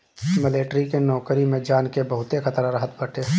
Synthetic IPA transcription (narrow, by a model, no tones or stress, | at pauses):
mɪleːʈɾikenɔːkɾimẽd͡ʒaːnkebəɦʊt̪exʰət̪ɾaɾəɦət̪bəʈe